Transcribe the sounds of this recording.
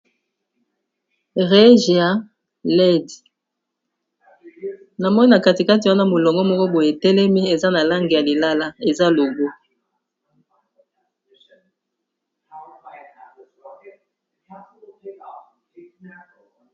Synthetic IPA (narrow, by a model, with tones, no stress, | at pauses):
ʁe˦ʒa˦ | lɛ˦d | na˨mɔ˦ni˦a˨ka˦ti˨ka˦ti˨wa˦na˦mo˨lɔ˨ŋɡɔ˦mɔ˦ko˦bo˨je˨tɛ˦lɛ˦mi˦e˨za˦na˨la˦ŋɡe˨ja˨li˨la˦la˦e˨za˦lo˨ɡo˦